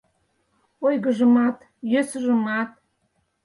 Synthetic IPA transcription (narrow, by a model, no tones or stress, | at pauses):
ojɡəʒəmɑt̪ | jøsʒə̆mɑt̪̚